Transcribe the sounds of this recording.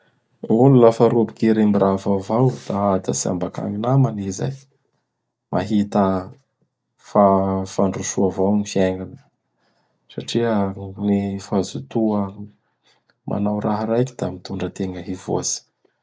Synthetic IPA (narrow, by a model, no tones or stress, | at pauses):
unulafaɾubikiɾimbiɾʔavavawd̪̥aad̪asia̰mbaka̰ŋinamaniza̰j | mʔa̰ɦit̪ə | fafaɳɖ͡ʐusuavawnifiaŋanə̥ | saʈ͡ʂiənifazut̪uə | mʔa̰nawɾaɦɾajkid̪̥amit̪uɳɖ͡ʐət̪eŋəɦivo̰si̥